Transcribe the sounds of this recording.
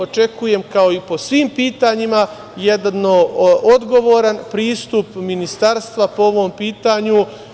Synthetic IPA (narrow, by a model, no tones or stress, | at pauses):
ot͡ʃe̞kuje̞mkao̞ipo̞sʋiːmpiːt̪aɲima | je̞d̪nood̪ɡo̞ʋo̞ɾanpɾiːst̪upminist̪aːɾst̪ʋapoo̞ʋo̞ːmpiːt̪aɲu